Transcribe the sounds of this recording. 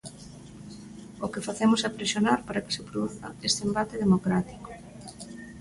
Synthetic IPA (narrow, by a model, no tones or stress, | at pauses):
okefaθemʊsapɾesjonaɾpaɾake̥sɪpɾoðuθa̰est̪embat̪ɪðemokɾat̪i̥ko̥